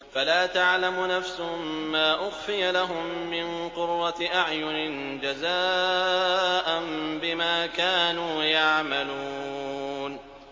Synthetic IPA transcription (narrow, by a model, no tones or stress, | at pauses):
falaːt̪aʕlamʊnafsʊʊmːaːʔʊxfɪjalaɦʊmːɪnqʊɾːat̪ɪʔaʕjʊnɪn | d͡ʒazaː | ʔanbɪmaːkaːnuːjaʕmaluːn